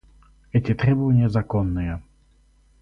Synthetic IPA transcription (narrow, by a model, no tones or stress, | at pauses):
ɛtʲɪt̪ɾʲɛbəvənʲɪjəzɐkonːɨjə